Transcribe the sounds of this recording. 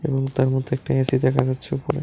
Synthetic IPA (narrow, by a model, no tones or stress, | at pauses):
ḛboŋt̪aɾmod̪ʱːeɛk̚ʈaesid̪ɛkʰad͡ʑatːɕʰeupoɾḛ